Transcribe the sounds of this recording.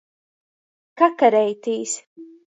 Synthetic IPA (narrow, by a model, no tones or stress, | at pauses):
kakaɾɛjt̪iːs